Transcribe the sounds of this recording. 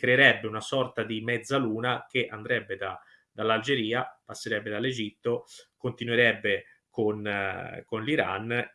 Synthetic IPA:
kɾeːɾɛbːeunasɔrt̪ad̪imɛd̪zːaluːnak̟eʔand̪ɾɛbːed̪a | d̪̥alːald͡ʒeɾiːapasːeɾɛbːed̪alːed͡ʒit̪ːokont̪inueɾɛbːe | konkonliɾa̰n

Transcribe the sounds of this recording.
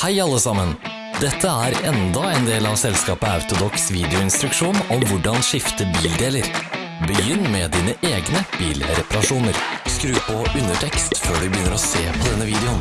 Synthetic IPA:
hæɪɑlːəsɑmən | d̪ɛt̪ʰːəæɾɛnd̪ɑɛnd̪eːlɑʋsɛlskɑːpəɑʉt̪ʊd̪ɔksʋiːd̪ɛʊɪnst̪ɾʉkʂuːnɔmʋʊɖɑnʂɪft̪əbiːld̪eːləɾ | bəjʏnːmɛd̪iːnəʔeːɡnəb̥iːlɾɛpɑɾɑʂuːnəɾskɾʉːpɔʉnːəʈʰɛkst̪føːɖʉbəjʏnːəɾɔseːpʰɔd̪ɛnːəʋiːd̪ɛʊn

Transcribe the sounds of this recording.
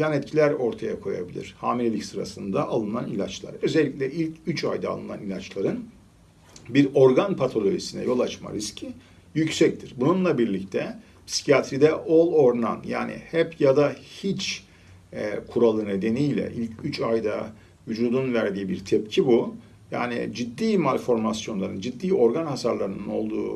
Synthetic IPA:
janɛt̪̚cʰilʲæɾo̞ɾt̪ʰajakʰo̞ja̰bilʲḭɾ̥haːmiɾʲelʲicsɯɾa̰sɯnd̪aʔalˠɯnanilʲat͡ʃlˠa̰ɾø̞zɛlʲːicʲlʲɛʔilʲcʰyt͡ʃajd̪a̰lˠɯna̰nilʲat͡ʃlˠaɾɯn | biɾo̞ɾɡanpʰat̪ʰo̞lʲo̞ʒisinɛ̰jo̞lˠat͡ʃma̰ɾiscʰi | jycsɛc̚t̪ʰiɾbununlˠabiɾlʲic̚t̪ʰɛ | psi̥cʰijat̪ʰɾid̪ɛʔolˠo̞ɾna̰nja̰ːnḭhɛpʰjad̪ahit͡ʃ | ɛkʰuɾalˠɯne̞d̪e̞nijlʲɛ̰ʔilʲcʰyt͡ʃajd̪a̰ | vyd͡ʒuːd̪unvæɾd̪iːbiɾt̪ʰɛpcʰibu | ja̰ːnḭd͡ʒid̪ːiːmalʲfo̞ɾmasjo̞nlˠaɾɯnd͡ʒid̪ːiːo̞ɾɡanhasaɾlˠaɾɯnɯno̞lˠd̪ṵː

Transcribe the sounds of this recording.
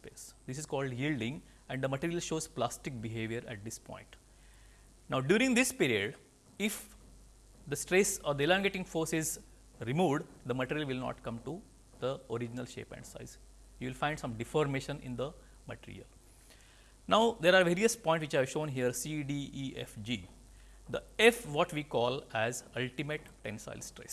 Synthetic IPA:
spḛːsd̪ɪsɪzkɔːlɖjiːlɖɪ̃ŋ | ɛ̃ɳɖd̪əmɐʈiɾijəlʃoːzplaːsʈɪk̚biɦeːʋjəɾæ̰ʈ̚d̪ɪspɔ̰̃ɪ̃ɳʈ | naʊɖjuːɾɪ̃ŋd̪ɪspiːɾiəɖ | ɪf | d̪əsʈɾeːsɔːɾd̪əelãːŋɡeʈɪ̃ŋfoːɾsɪz | ɾimuːʋɖd̪əmɐʈiːɾiəlʋɪlnɔ̰ːʈkʌ̃mʈu | d̪̥əoɾɪd͡ʒɪnəlʃḛːpæ̰̃ɳɖsa̰ɪz | juːʋɪlfãɪ̃ɳɖsʌ̃mɖɪfɔːɾmeːʃə̃nɪ̰̃nd̪ə | məʈḭɾḭə̰l | naʊd̪eːɾaːɾʋeːɾiəspɔ̃ɪ̃nʈs̬ʋɪt͡ʃæːʋʃõːnɦiəɾsiɖiːiːḛfd͡ʒiː | d̪əefʋɔːʈʋiːkɔːlæzʌlʈimeʈːẽnsa̰ɪlsʈɾḛs

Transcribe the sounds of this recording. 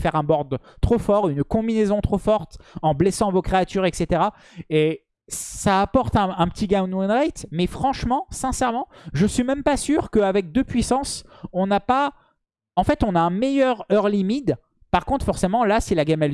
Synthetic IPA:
fɛʁɛ̃bɔʁd̪t̪χofɔʁynkɔ̃binezɔ̃t̪χofɔʁt̪ɑ̃blesɑ̃vokχeat̪yʁɛkset̪eʁa | e | saːpɔʁt̪ɛ̃ɛ̃pə̥t̪ʰiɡãnwanʁajt̪mɛfχɑ̃ʃmɑ̃sɛ̃sɛʁmɑ̃ʒəsɥimɛmpasyʁkəavɛk̚d̪øpɥisɑ̃sɔ̃napa | ɑ̃fɛt̪ɔ̃naɛ̃mejœʁœʁlimid̪ | paʁkɔ̃t̪χfɔʁsemɑ̃lasilaɡamɛl

